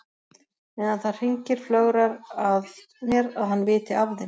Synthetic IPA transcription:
ɛnaθḁr̥iɲcɪɾ̥flœːɣɾaɾað | njɛɾaðɦhanːvɪːt̪ɪavðɪn

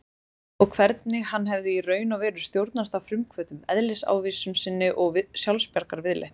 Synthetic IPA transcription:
ɔɣkʰvɛɾt̪nɪhanːɦɛvðɪirœːɥnavɛːɾʏ̥st̪jowɾt̪nast̪awfɾʏmkʰvœːt̪ʏmɛðlɪsa̰wviːsʏmsɪnːɪʔɔɣvsjawlspjaɾkaɾvɪðlḛjht̪

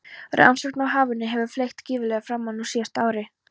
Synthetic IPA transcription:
ɾa̰nsœkt̪nawɦaːvʏnːɪɦɛvʏ̥flejxt̪ciːvɪlɛɣafɾamːanuwsjɛst̪aːwɾɪ

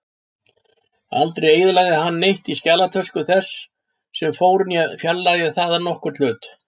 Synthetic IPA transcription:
a̰lt̪ɾejejðʏlaɣðɪɦanːejht̪iscaːlat̪ʰœskʏθɛsː | ɛmfoːwɾʏnjɛfjallaɣðɪθaːðanɔhkʏɾ̥t̪l̥ʏːt̪

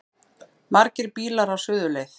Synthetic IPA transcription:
maɾcɪɾpiːlaɾawsʏːðʏleːjθ

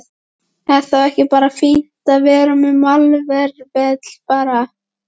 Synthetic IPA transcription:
ɛðθawɛhcɪpaːɾafin̥t̪aðvɛːɾʏmʏmalvɛɾvɛt̪l̥paːɾa

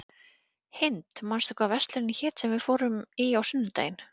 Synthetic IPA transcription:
hɪnt̪manst̪ɔkvavɛst̪lʏɾɪnɪçɛːt̪sɛmvɪðfɔːɾʏmiawsʏnːʏt̪ḛːjɪn

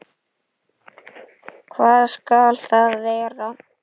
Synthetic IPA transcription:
kʰvaːðskalθaðveːjɣaraw

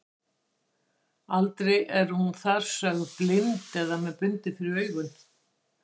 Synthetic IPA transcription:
alt̪ɾejʔɛɾ̥hunθaɾ̥sœːɣʏplɪnt̪ɛðamɛðpʏnt̪ɪfɪɾɪœːɥɣʏn

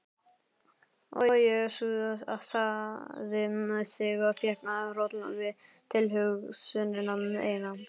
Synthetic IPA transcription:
ɔ̰jɛsuðaa̰saðɪmaðsɪɣafjɛhknaðrɔt̪la̰vɪð | t̪ʰɪlɦʏɣsʏnɪnamɛḛːjna

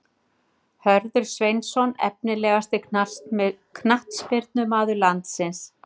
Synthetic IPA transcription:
hœɾðʏɾ̥svejnsɔnɛ̰pnɪlɛːɣast̪ɪ̥st̪ | kʰnaht̪spɪɾt̪nʏmaːðʏɾlant̪sɪns

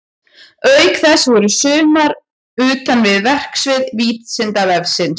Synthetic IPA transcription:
œɥkθɛsvɔɾʏsʏːmaɾ | ʏːt̪anvɪðvɛr̥ksvɪðviːt̪sɪnt̪avɛvsɪn

